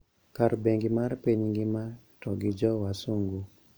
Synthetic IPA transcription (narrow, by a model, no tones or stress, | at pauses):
kaɾbeŋɡɪmarpiɲɡɪma | tɔɡɪd͡ʒɔwasuŋɡu